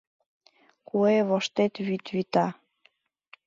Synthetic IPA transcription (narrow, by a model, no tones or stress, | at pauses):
kueβoʃt̪et̪βyt̪βit̪ɑ